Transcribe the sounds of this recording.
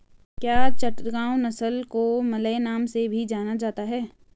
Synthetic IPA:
kjaːt͡ʃɐʈ̪ɡaːʊnɐsəlkomɐlːnaːmsebʱid͡ʒaːnad͡ʒaːt̪aɦɛː

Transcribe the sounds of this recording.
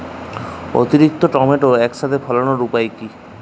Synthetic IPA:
o̰t̪iɾik̚t̪ɔʈɔmeʈoɛksad̪ʰʱepʰɔlɔñɔɾupajki

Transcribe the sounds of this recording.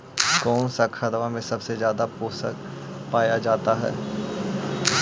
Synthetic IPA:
kɔːnsakʰɐd̪ʋamẽsɐbsezjaːd̪apoːsə̰k | paːjad͡ʒaːt̪aɦɛ̰ː

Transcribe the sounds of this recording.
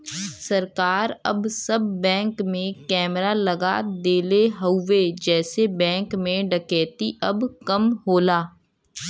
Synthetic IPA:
sɐɾkaːɾɐ̰bsɐbːɛ̃ːŋkmẽkɛːmɾaləɡa̰d̪eːleɦəʊːed͡ʒɛːsebɛ̃ːŋkmẽɖɐkɛːt̪iʔɐbkɐmɦoːlaː

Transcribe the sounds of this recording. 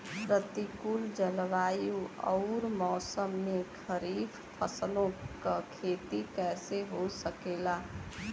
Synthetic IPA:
pɾət̪ikuld͡ʒəlʋajuɔ̰ʊɾmɔːsəmːekʰəɾifʰ | pʰəslõkəkʰet̪ikɛseɦosəkela

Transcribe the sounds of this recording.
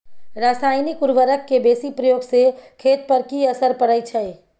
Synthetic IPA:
ɾasajnikuɾʋəɾəkːebesipɾəjoɡsekʰet̪̚pəɾkiəsəɾpəɽət͡ʃʰəj

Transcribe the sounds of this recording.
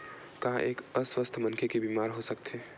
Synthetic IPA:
kãʔeːkəswəst̪ʰmɐnkʰekebiːmaːɾɦosɐk̚t̪ʰeː

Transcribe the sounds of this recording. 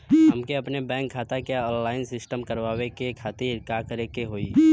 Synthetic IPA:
ɦɐmkeɐpnebɛ̃ːŋkʰːaːt̪akaɔ̃ːnlaːɪnsɪsʈəmkəɾʋaːwekekʰaːt̪iɾkakəɾekeɦoːiː

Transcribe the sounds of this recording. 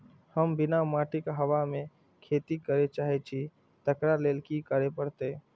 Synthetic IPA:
həmbɪnamaːʈɪkɦəʋamẽ | kʰeːt̪ikəɾet͡ʃaːɦɛt͡ʃʰi | t̪əkɾaleːlkikəɾepəɽt̪e

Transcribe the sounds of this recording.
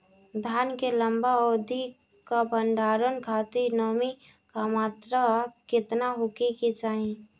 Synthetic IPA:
d̪ʱaːnkelə̃mbaɔːd̪ʱi | kabʱəɳɖaːɾənkʰaːt̪inɔːmi | kamaːt̪ɾakɪt̪naɦʊkikit͡ʃaːĩ

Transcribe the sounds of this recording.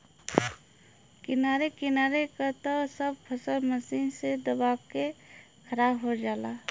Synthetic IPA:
kɪnaːɾekɪnaːɾekat̪osəb̚pʰəsəlməsiːnsed̪əbaːke | kʰəɾaːbɦod͡ʒaːlaː

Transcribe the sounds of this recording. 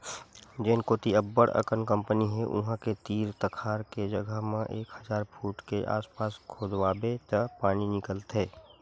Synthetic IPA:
d͡ʒeːnkoːt̪iəbːəɽə̰kənkə̃mpəniɦɛʔʊ̰ɦãket̪iːɾt̪əkʰaːɾked͡ʒəɡʱəɦmẽʔeːkhɐzaːɾpʰuːʈkeʔa̰ːspaːskʰoːd̪ʋaːbet̪əpaːñinɪkəlt̪ɦɛː

